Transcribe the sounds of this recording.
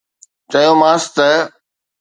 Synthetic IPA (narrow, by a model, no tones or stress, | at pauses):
t͡ɕɐjoːmaːst̪ə